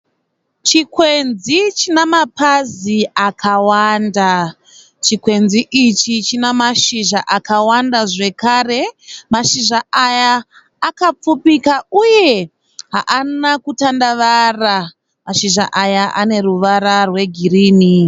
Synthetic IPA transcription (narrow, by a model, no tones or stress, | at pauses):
t͡ʃikwe̞nzit͡ʃinamapaziakʰawanda | t͡ʃikwe̞nziʔit͡ʃit͡ʃinamaʃiʒaʔakawandaʐe̞kaːre̞maʃiʒaajaː | kap͡fupikauje̞ | ɦa̰ʔanakutandaʋara | maʃiʒa̰ʔajaʔa̰ne̞ruʋaɾarwe̞ɡʱiriːni